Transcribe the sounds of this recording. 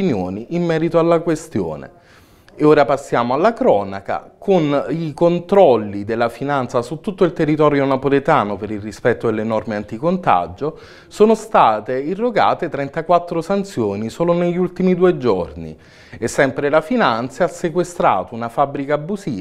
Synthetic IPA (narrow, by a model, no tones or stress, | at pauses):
injoːniʔːmːɛːɾit̪oalːakwest̪jo̰ːnḛ | oːɾapasːjaːmoalːakɾɔːnaka̰konikont̪ɾɔlːid̪elːafinant̪sasut̪ːut̪ːoilt̪erːit̪ɔːɾjonapolet̪aːnopeɾilrispɛt̪ːod̪elːenɔrmeant̪ikont̪a̰d͡ʒo | soːnost̪aːt̪eirːoɡa̰ːt̪et̪ɾɛnt̪akwat̪ːɾosant̪sjoːnisoːloneʎːult̪imid̪uːed͡ʒornḭ | esːɛmpɾelafinant̪saasːekwest̪ɾa̰ːt̪ounafabːɾikaːbːuziːa